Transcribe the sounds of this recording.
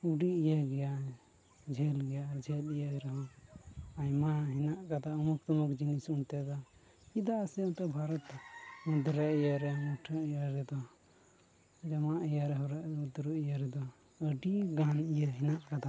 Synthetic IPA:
uɖiijaɡɛja | d͡ʒʱɛlɡɛjad͡ʒʱɛlijaɾɛɦɔ | ajmaɦinaʔkat̪aəmukt̪ɔmɔkd͡ʒinisunt̪ɛd̪a | id̪asɛɔnt̪ɔbʱaɾɔt̪mud̪ɾɛijaɾɛmuʈʰəijaɾɛd̪ɔ | d͡ʒamaʔijaɾɛɦɔɾaʔud̪ɾuijaɾɛd̪ɔ | əɖiɡanijaɦinaʔkat̪a

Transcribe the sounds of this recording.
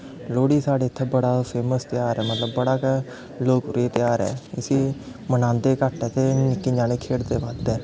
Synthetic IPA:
loːɽiːsaːɽeːɪt̪ʰːɛːbəɽaːpʰeːməst̪ɪjaːɾɛːmət̪ləbːəɽaːk | loːkɾeːt̪ɪjaːɾɛ̰ːɪsiː | mənãːnd̪eːkəʈɛːt̪eːnɪkːiːd͡ʒaːneːkʰeːɽd̪eːʋaːd̪ɛː

